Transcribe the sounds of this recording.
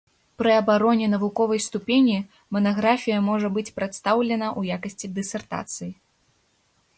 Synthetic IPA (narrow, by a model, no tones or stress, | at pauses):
pɾɨɐbaɾɔnʲɛnɐvukɔvɐjst̪upʲenʲi | mɐnaɣɾafʲijɐmɔʐɐbɨt͡sʲpɾat̪st̪awlʲɛn̪ɐʔujakɐsʲt͡sʲid̪ɨsʲɛrt̪a̰t̪sɨji